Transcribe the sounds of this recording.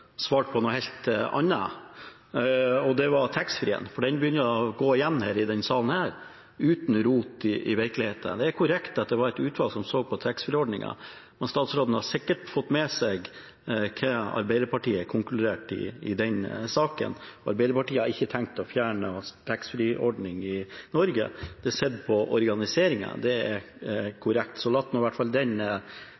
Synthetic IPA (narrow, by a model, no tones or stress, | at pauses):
sʋɑːʈ̚pʰɔnɔhɛlt̪ɑ̰nːɑ̰ | ɔd̪ɛʋɑɾt̪ʰɛksfɾiːə̰nfɔɖɛnbəjʏnːəəɔɡoːɪjɛnːhæːɾɪd̪ɛnsɑːlən̩hæːɾ | ʉːt̪nɾuːt̪ɪʔɪʋɪɾklɪheːt̪ʰə̰d̪ɛæɾkʰʊɾɛkt̪ɑt̪̚d̪ɛʋɑɾɛt̪ʉːt̪fɑlsɔmsoːɡ̚pʰɔt̪ʰæksfɔɾɔɖɳɪ̰ŋɑ̰ | mɛnst̪ɑːt̪sɾoːd̪n̩hɑsɪkːəʈfɔt̪ːmɛsɛɡ | kʰɑɑ̰ɾbæɪd̪əɾpɑʈiːəkʰʊŋklʉd̪eːʈɪ̰ɪd̪ɛnsɑːkə̰nɔɑ̰ɾbæɪd̪əɾpɑʈiːəhɑɾɪçːət̪ʰæŋk̚t̪ɔfjæːɳəst̪ʰɛksfɾiʔɔɖnɪŋɪnɔɾɡə̰d̪̥ɛæsɛd̪pʰɔʔɔɾɡɑnɪseːɾɪŋə̰d̪ɛæɾ | kʰʊɾɛkt̪sɔlɑt̪ːnɔːɪʋæʈːfɑld̪ɛnə